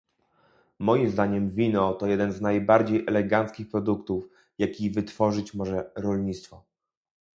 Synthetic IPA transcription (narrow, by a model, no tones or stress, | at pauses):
mɔjimzd̪aɲɛmvʲinɔt̪ɔjɛd̪ɛnznajbaɾd͡ʑejʔɛlɛɡant̪skʲixpɾɔd̪ukt̪uf | jakʲivɘt̪fɔʐɘt͡ɕmɔʐɛɾɔlɲit̪st̪fɔ